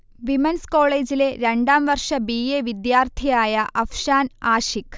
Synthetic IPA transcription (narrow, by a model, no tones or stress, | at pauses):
ʋimɐnsko̞ːɭe̞ːd͡ʑile̞ɾeɳɖaːmʋɐrʂɐbijeʋid̪jaːrt̪ʰijaːjɐʔɐfʂaːnaːʂik